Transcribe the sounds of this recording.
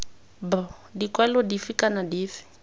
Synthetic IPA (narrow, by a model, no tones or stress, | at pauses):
b | dikwɛlɔdifikanadiːfi̥